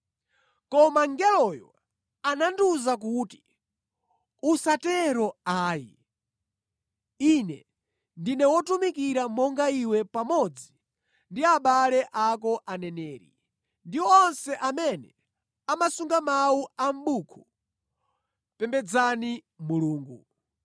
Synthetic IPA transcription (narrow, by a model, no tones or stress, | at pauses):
kɔmaŋɡɛlɔjɔ̰ | ananduzak̬uːti̥ | usatɛɾɔaːḭ | inɛ | ndinɛwɔtumikiɾamɔŋɡaiwɛpamɔd͡zi | ndiaɓalɛʔakɔʔanɛnɛːɾḭ | ndiwɔːnsɛʔamɛnɛ | amasuŋɡamawuam̩ɓukʰu | pɛmbɛd͡zani | muluːŋɡṵ